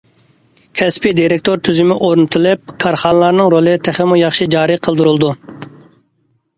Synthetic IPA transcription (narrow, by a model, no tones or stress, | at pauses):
kʲʰɛspid̪iɾek̚ʲt̪ʰoɾt̪ʰyzymɪʔoɾnɨt̪ʰɨlˠɨp̚kʰɑɾχɑnəlˠɑɾnɨŋɾolˠɨt̪ʰæχɪmujɑχʃid͡ʒɑːɾɨqʰəlˠd̪uɾulˠd̪u